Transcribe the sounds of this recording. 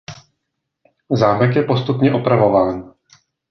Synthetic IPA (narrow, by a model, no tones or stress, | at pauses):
zaːmɛkjɛpo̞st̪upɲɛʔo̞pɾavo̞vaːn